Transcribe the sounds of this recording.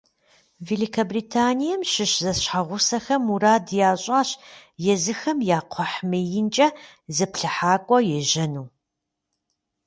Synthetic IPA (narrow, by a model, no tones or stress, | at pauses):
veːlikʰɐbriːtʰaːnijɐmɕɪɕzɐsɕħaʁʷʊsɐxɐmuɾaːdjaːɕʼaːɕjɛzɨxɐmjaːqʷʰɔħmɨjɪnt͡ʃʼɐ | zɨpɬɨħaːkʷʼɔjɛʒɐnuː